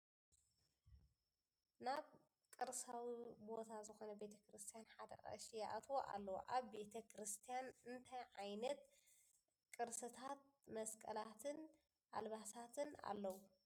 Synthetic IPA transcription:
naβ | kʼɨɾsawibo̞t̪ʰazɨxo̞nɐbe̞t̪ʰɐkɾɨst̪ʰijanħad̪ɐ̰ʔʼɐ̰ʃijaʔat̪ʰwoʔa̰lːɐwo̰ʔaβbe̞t̪ʰɐkɾɨst̪ʰijanɨnt̪ʰajʕajnɐt̪̚ | kʼɨɾsɨt̪ʰat̪̚mɐskʼɐlat̪ʰɨn | ʔa̰lβasat̪ʰɨna̰lːɐwu

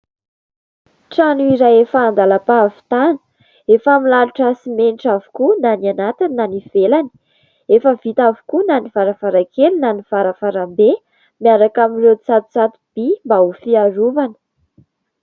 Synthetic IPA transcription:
ʈ͡ʂanuiɾajefaːnd̪alapavi̥t̪anə̥ | efamilaluʈ͡ʂasimenʈ͡ʂavu̥kunananat̪iniːaniv̥elani̥ | efəvit̪avu̥kunanivaɾavaɾakelinaniv̥aɾəfaɾambe | miaɾakamiret͡sat̪u̥t͡sat̪ub̥imbaufiaɾuvanə̥

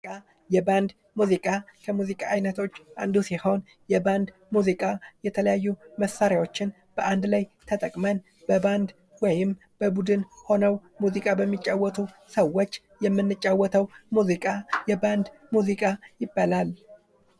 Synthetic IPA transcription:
kʼa | jɛband̪ | muzikʼakʰəmuzikʼaːjnət̪ʰo̞t͡ʃːʔand̪usiho̞n | jɛband̪ | muzikʼajɛt̪ʰələjajːuməsaɾjawo̞t͡ʃːɪn | b̥əʔand̪lajt̪ʰət̪ʼəkʼmən | b̥əband̪ | wɔjɪm | b̥əbud̪ɨnho̞nəw | muzikʼabəmːit͡ʃʼːawːət̪ʰu | səwo̞t͡ʃː | jɛmːɨnːɨt͡ʃʼːawːɔt̪ʰəwmuzikʼajɛband̪ | muzikʼajɪbːalal

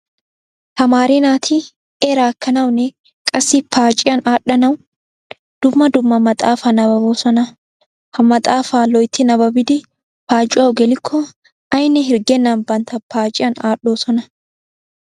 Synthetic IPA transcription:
hɐmaːɾenaːt̪ʰɪ | eɾaːkːɐnɐwnɛ | kʼɐsːɪpʰaːt͡ʃʼɪjɐnaːᶑɐnɐw | d̪̥ʊmːɐd̪ʊmːɐmɐt̪ʼaːfanɐbɐboːsɔnɐ | hɐmɐt̪ʼaːfaːlɔjt̪ːɪnɐbɐbɪd̪ɪ | paːt͡ʃʼɪwɐwɡɛlɪkʰːɔ | ɐjnɛɦɪɾɡɛnːɐnbɐnt̪ʰɐpaːt͡ʃʼɪjɐnaːɗoːsɔnɐ

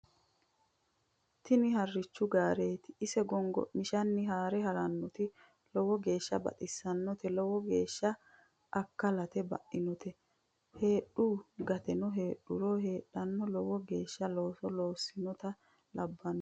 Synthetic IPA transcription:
t̪ɪnɪhɐrːɪt͡ʃːʊɡaːɾeːt̪ɪːsɛɡɔŋɡɔ̰mɪʃɐnːɪɦaːɾɛɦɐɾɐnːɔt̪ɪ | lɔwɔɡe̞ːʃːɐ̰bɐ̰t̪ʼɪsːɐnːɔt̪ɛlɔwɔɡe̞ːʃːɐ | ʔɐkːɐlɐt̪ɛbɐ̰ʔɪnɔt̪ɛ | he̞ːɗuɡɐt̪ɛnɔɦe̞ːɗːʊɾoːhe̞ːɗːɐnːɔlɔwɔɡe̞ːʃːɐlo̞ːsɔloːsɪnɔt̪ɐ | lɐbːɐnɔ

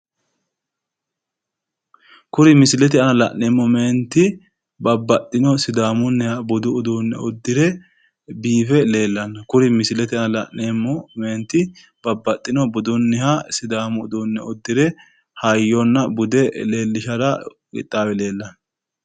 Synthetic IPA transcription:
kʊɾɪmɪsɪlɛt̪̬ɪɐnɐlɐ̰ʔneːmːɔme̞ːnt̪ːɪ | bɐbːɐt̪ʼːɪnɔsɪd̪aːmʊnːɛhɐbʊd̪ʊːd̪uːnːɛ̰ɔd̪ːɪɾɛ | biːfɛle̞ːlːɐnːɐkʊɾɪmɪsɪlɛt̪ɪɐnɐlɐ̰ʔeːmːɔme̞ːnt̪ːɪ | b̥ɐbːɐt̪ʼːɪnɔbʊd̪ʊnːɛhasɪd̪aːmʊd̪uːnːɛɔd̪ːɪɾɛ | hɐjːɔnːɐbʊd̪ɛle̞ːlːɪʃɐd̪ɐ | ɡɪ̰t̪ʼːaːwɛle̞ːlːɐnːɐ

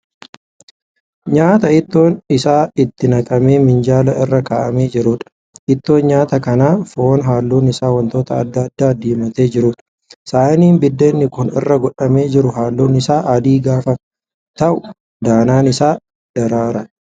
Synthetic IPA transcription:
ɲaːt̪ɐɪt̪ːo̞ːnɪsaːɪt̪ːɪnɐkʼɐme̞ːmɪnd͡ʒaːlɐɪrːɐkaːʔɐme̞ːd͡ʒɪɾuːᶑɐ̥ | ʔɪt̪ːo̞ːnɲaːt̪ɐkɐnaːfoːnɦaːlːuːnɪsaːwɐnt̪o̞ːt̪ɐɐd̪ːɐd̪ːaːd̪eːmɐt̪e̞ːd͡ʒɪɾuːᶑɐ̥ | saːniːmbɪd̪ːeːnːɪkʊnɪ̰rːɐɡɔᶑɐme̞ːd͡ʒɪɾʊɦaːlːuːnɪsaːʔɐd̪iːɡaːfɐ | t̪ɐʔʊ | d̪aːnaːnɪsaː | d̪̥ɐɾaːɾɐ

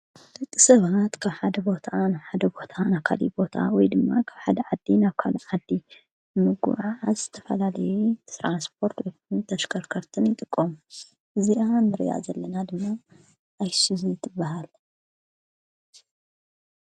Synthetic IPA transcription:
lɨt̪ʼːɨsɐβat̪kʰaβħad̪ɐbo̞t̪ʰanaβħad̪ɐbo̞t̪ʰanaβkʰa̰lḭbo̞t̪ʰa̰wɔjd̪ɨmːakʰaβħad̪ɐʕad̪ːinaβkʰaluʕad̪ːi | mɨɡṵʕaʕazɨt̪ʰɐfɐ̰lalɐjut̪ɾanspʰo̞ɾt̪wɔjkunt̪ʰɐʃkʰɐɾkʰɐɾt̪ʰɨnjɪt̪ʼɨkʼːom | ʔɨziʔanɨɾḭja̰zɐlːɐnad̪ɨmːa | ʔajsizit̪ʰɨbːaɦal

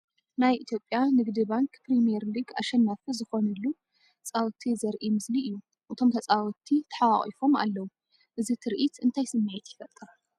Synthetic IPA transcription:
najʔit̪ʰjo̞pʼːjanɨɡd̪ibaŋkpɾimijɛɾliɡaʃɐnːafizɨxo̞nɐlːu | t͡sʼawt̪ʰizɐɾʔimɨzliʔɨjːu | ʔɨt̪ʰo̞mt̪ʰɐt͡sʼawt̪ʰit̪ʰɐ̥ħawaχʼḭfo̞ma̰lːɐwu | ʔɨzit̪ʰɨɾʔit̪ɨnt̪ʰajsɨmːajɛt̪jɪfɐt̪ʼɐɾ

